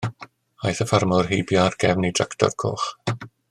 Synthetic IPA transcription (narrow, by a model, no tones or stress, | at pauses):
ajθəfarmɔrɦejbjarɡɛvnidraktʰɔ̰rkʰo̰ːχ